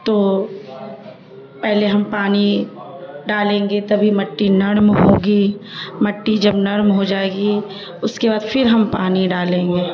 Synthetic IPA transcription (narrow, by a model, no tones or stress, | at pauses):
t̪oː | pɛɦleɦɐmpaːni | ɖaːlẽːŋɡet̪ɐbʱimɐʈːinɐɽmɦo̰ːɡimɐʈːid͡ʒɐbnɐɽmɦod͡ʒaːeɡi | ʊskebaːd̪fʰɪɾɦɐmpaːniɖaːlẽːŋɡeː